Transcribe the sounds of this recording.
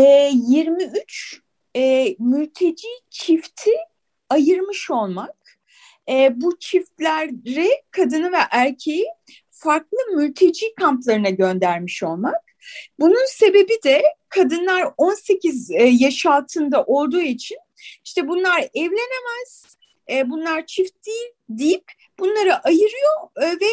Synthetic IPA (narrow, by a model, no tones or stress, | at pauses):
ɛːjiɾmiyt͡ʃ | ɛːmylʲt̪ʰe̞d͡ʒiːt͡ʃʰift̪ʰi | ajɯɾmɯʃo̞lˠmak̚ | ɛːbut͡ʃʰift̪lʲæɾɾɛkʰad̪ɯnɯvɛʔæɾcʰeji | faɾklˠɯmylʲt̪ʰe̞d͡ʒiːkʰamplˠaɾɯnaɟø̞nd̪æɾmiʃo̞lˠmak̚ | bununse̞be̞bid̪ɛkʰad̪ɯnlˠaɾo̞nse̞cizjaʃalˠt̪ʰɯnd̪aʔo̞lˠd̪uːit͡ʃʰin | iʃt̪ʰɛbunlˠaɾɛvlʲe̞ne̞mæz̥ː | bunlˠaɾt͡ʃʰift̪̚d̪iːlʲ | d̪ijipʲ | b̥unlˠaɾɯʔajɯɾɯjo̞vɛ